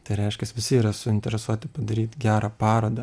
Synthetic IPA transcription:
t̪ɐɪɾʲɛɪʃʲkʲɛsʋʲɪsʲɪːɾɐsʊɪnʲt̪ʲɛɾʲɛsuɔt̪ʲɪpɐd̪ɐɾʲiːt̪ʲɡʲæːɾaːpɑːɾoːd̪ɐ

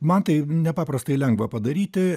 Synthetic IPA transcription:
mɐnt̪ɐɪnʲɛpɑːpɾɐst̪ɐɪlʲɛŋɡʋɐpɐd̪ɐɾʲiːt̪ʲɪ

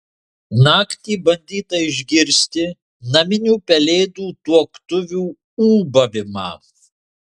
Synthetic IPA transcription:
nɑːkt̪ʲiːbɐnʲd̪ʲiːt̪ɐɪʒʲɡʲɪɾʲsʲt̪ʲɪ | nɐmʲɪnʲuːpʲɛlʲeːd̪uːt̪uɔkt̪ʊʋʲuː | uːbɐʋʲɪmɑ̰ː

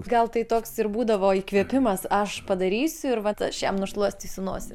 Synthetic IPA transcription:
ɡɐlˠt̪ɐɪt̪oːksɪrbuːd̪ɐʋoːiːkʋʲiɛpʲɪmɐsɐʃpɐd̪ɐɾʲiːsʲʊɪɾʋɐt̪ɐʃʲɛmnʊʃlˠuɔsʲt̪ʲiːsʲɪnuɔsʲɪ

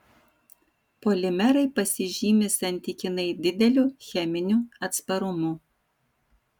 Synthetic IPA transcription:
polʲɪmʲɛɾɐɪpɐsʲɪʒʲiːmʲɪsɐnʲt̪ʲɪkʲɪnɐɪd̪ʲɪd̪ʲɛlʲuːxʲɛmʲɪnʲuːɐt̪spɐɾʊmʊ

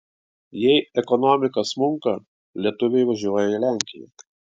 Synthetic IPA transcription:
jɛɪɛkɔnɔmʲɪkɐsmʊŋkɐ | lʲiɛt̪ʊʋʲɛɪʋɐʒʲuɔjɛilʲæˑŋʲkʲɪjɛ̰

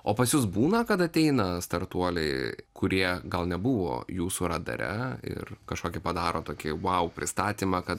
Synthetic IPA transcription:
oːpɐsjʊs̬buːnɐkɐt̪ɐt̪ʲɛɪnɐst̪ɐɾt̪uɔlʲɛ̰ɪkʊɾʲiɛɡɐlˠnʲɛbʊʋo̰ːjuːsuɾɐd̪ɐ̰ɾʲɛ̰ɪ̰rkɐʃkoːkʲɪpɐd̪ɑːɾoːt̪oːkʲɪʋɐʊpʲɾʲɪst̪ɑːt̪ʲiːmɑkɐt̪

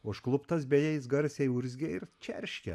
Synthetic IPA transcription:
ʊʃklˠʊpt̪ɐsbʲɛjɛɪs̬ɡɐɾʲsʲɛɪʊɾʲzʲɡʲɛɪɾt͡ʃʲɛɾʲʃʲkʲɛ̰

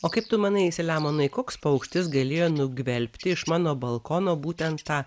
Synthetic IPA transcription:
oːkɐɪpt̪ʊmɑːnɐɪɪsʲɪlʲæːmoːnɐɪkoːkspɐʊkʃʲt̪ʲɪs̬ɡɐlʲeːjoːnʊɡʋʲɛlʲpʲt̪ʲɪɪʃmɑːnoːbɐlˠkoːnoːbuːt̪ʲɛnt̪t̪ːɑː

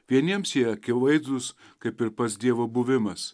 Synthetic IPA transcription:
ʋʲiɛnʲiɛmsjiɛɐkʲɪʋɐɪzd̪ʊs | kɐɪpɪɾpɐsd̪ʲiɛʋoːbʊʋʲɪmɐs

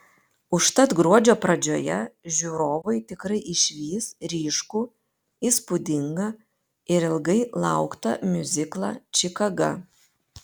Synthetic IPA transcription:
ʊʃt̪ɐt̪ɡɾuɔd͡ʒʲoːpɾɐd͡ʒʲoːjɛʒʲuːɾoːʋɐɪt̪ʲɪkɾɐɪʔɪʃʲʋʲiːsɾʲiːʃkuː | iːspʊd̪ʲɪŋɡɐ | ɪɾɪlˠɡɐɪlˠɑˑʊkt̪ɐ̰mʲʊzʲɪklˠɑ̰ːt͡ʃʲɪkɐɡɐ̰

